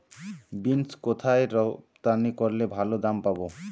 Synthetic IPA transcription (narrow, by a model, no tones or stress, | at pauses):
binskot̪ʰaeɾɔpt̪anikoɾlebʱalod̪ampabo